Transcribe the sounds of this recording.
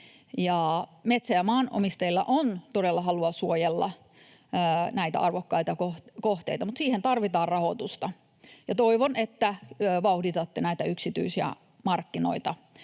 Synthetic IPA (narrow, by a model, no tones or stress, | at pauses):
jɑmet̪sæjɑmɑːno̰mist̪ɑilːɑ̰ʔont̪odelːɑɦɑluɑsuojelːɑ̰ː | næit̪æ̰ɑrʋokːɑijt̪ɑkokoht̪ḛit̪ɑmut̪siːhent̪ɑrʋit̪ɑːrrɑhot̪ust̪ɑ | jɑt̪oiʋonet̪ːæʋɑuhdit̪ɑt̪ːenæit̪æyksit̪y̰isiæ̰ | mɑrkːino̰it̪ɑ